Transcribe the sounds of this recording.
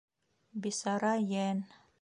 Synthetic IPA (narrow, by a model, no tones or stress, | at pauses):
bisaɾajɛn